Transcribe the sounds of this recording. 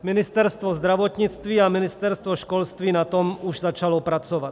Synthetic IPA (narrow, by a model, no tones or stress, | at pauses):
minist̪ɛɾst̪ʋɔzd̪ɾaʋɔt̪ɲit͡st̪ʋiaminist̪ɛɾst̪ʋɔʃkɔlst̪ʋinat̪ɔmuʒzat͡ʃalɔpɾat͡sɔʋat̪